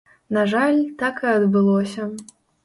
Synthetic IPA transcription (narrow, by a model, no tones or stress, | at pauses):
naʐalʲt̪akɨɐd̪bɨlˠɔsʲɐ